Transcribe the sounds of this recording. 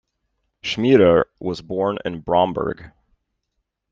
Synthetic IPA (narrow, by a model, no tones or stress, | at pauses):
ʃmiɾəwʌzbɔɹnɪ̰̃nbɹɑ̃mbə̰˞ɡ̥